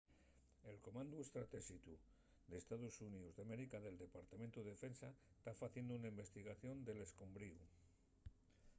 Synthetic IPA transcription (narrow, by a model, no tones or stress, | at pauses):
e̞lko̞mãnd̪ue̞st̪ɾat̪e̞sit̪u | d̪e̞st̪aðusuniuzðeame̞ɾikaðe̞ld̪e̞paɾt̪ament̪uðefe̞nsa | st̪afaθje̞nd̪ounaimbest̪iɣaθjo̞nd̪e̞le̞sko̞mbɾiu